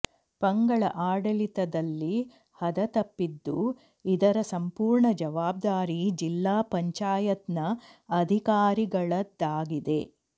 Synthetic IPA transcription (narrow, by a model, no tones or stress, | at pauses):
pɐŋɡɐɭɐ̰ʔaːɖɐlit̪ɐd̪ɐlːi | hɐd̪ɐt̪ɐpːid̪ːu | id̪ɐɾɐsɐmpuːɾɳɐd͡ʒɐʋaːb̚d̪aːɾid͡ʒilːaːpɐɲt͡ʃaːjɐt̪nɐɐd̪ʱikaːɾiɡɐɭɐd̪ːaːɡid̪e̞